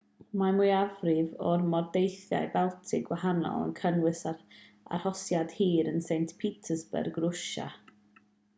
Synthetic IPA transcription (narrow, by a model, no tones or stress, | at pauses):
mamuɨavrɪvɔrmɔrdejθja̰jbɛlˠtʰɪɡwahanɔ̰lˠə̰nkʰənwɨsa | a̰rhɔsjad̥hiːɾənsejntpʰitʰəsbɛ̰rɡrʊʃa̰